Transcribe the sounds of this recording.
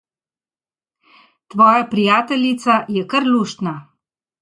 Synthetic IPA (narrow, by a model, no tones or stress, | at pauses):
t̪ʋɔːjapɾijaːt̪ɛlit̪sajɛkəɾluːʃt̪na